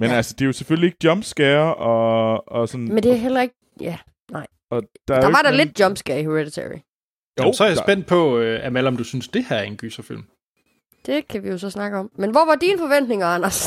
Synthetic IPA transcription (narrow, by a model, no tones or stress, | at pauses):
menælsəd̥e̝jo̝sefølie̝ɡ̥ə̥d̥jɒ̽mb̥sɡ̥æːɐʔɒ̽ɒ̽sɒ̽nmend̥e̝æɐɦel̰ɐe̝ɡ̥ | jæ | nɑ̈ɪ̰ | ɒ̽d̥ɑæɐd̥ɑʋɑdɑled̥̚d̥jɒ̽mb̥sɡ̥ɛɐihøʁed̥it͡sʰḛɹḭ | josɒæɐjasb̥en̰d̥̚pʰɒ̽øæmælɒ̽md̥usynsd̥e̝hæɐɐe̝nɡ̥ysɐfil̰m | d̥e̝kʰæʋijo̝sɒ̽snɑ̈ɡ̥əɒ̽mmenʋɒʋɑ̈dinəfɒ̽ʋen̰d̥ne̝ŋɐænɐs